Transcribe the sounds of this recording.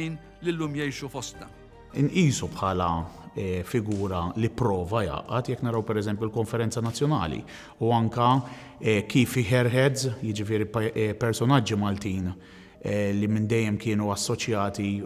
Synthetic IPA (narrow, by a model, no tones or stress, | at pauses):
iːn | lɪlːuːmjɛjʃufɔst̪ɐ | ɪnʔiːsupħɐːlɐɛfɪɡuːɾɐlipːɾɔːvɐjɐ̰ːʔɐt̪jɛkːnɐɾɐwpɛɾɛzɛmpjulkɔɱfɛɾɛnt͡sɐnɐt͡sːjɔnɐ̰ːlḭ | uɐŋkɐ | ɛkiːfɪħɛɾħɛd͡zjɪd͡ʒɪfɪːɾiɛpɛɾsɔnɐd͡ʒːimɐlt̪iːn | ɛlimɪnd̪ɛjːɛmkɪːnuɐsːɔt͡ʃjɐːt̪i